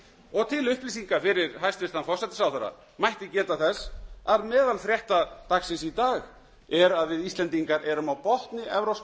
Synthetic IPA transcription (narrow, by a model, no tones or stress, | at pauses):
ɔɣt̪ʰɪlʏhpliːsiŋkafɪɾɪɾɦajst̪vɪst̪anfɔr̥sɛt̪ɪsawθaɾa̰ | majht̪ɪcɛːt̪aθɛsaɾmɛːðalθɾjɛht̪at̪aksɪnsit̪aːɣ | ɛɾaðvɪðist̪lɛnt̪iŋkaɾʔɛɾʏmawpɔht̪nɪʔɛvɾɔws